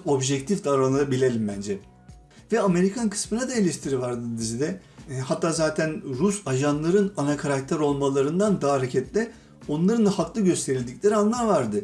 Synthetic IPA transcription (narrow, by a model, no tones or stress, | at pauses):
o̞bʒɛkt̪ʰifd̪aɾˠanˠaabilʲelʲimbænd͡ʒɛ | vɛame̞ɾikʰankʰɯ̥smɯnad̪aelʲɛʃt̪ʰiɾivaɾd̪ɯd̪izid̪ɛhat̪ʰːaːzaːt̪ʰænɾusaʒanlˠaɾɯnanakʰaɾak̚t̪ʰæɾo̞lˠmalˠaɾɯnd̪and̪aːaɾecʰɛt̪lʲɛ | o̞nlˠaɾɯnahaklˠɯɟø̞st̪ʰeɾilʲd̪iclʲe̞ɾianlˠaɾvaɾd̪ɯ